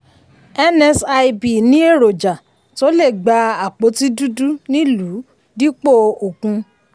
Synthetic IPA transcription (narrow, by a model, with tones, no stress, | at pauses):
ɛ˦nɛ˧sa˧i˧bi˨nĩ˦e˦˨ɾo˨d͡ʒa˨ | to˦le˦˨ɡ͡ba˧˦a˨k͡po˨˦ti˦du˦du˦nĩ˦lu˨˦ | di˦k͡po˦˧o˨kũ˧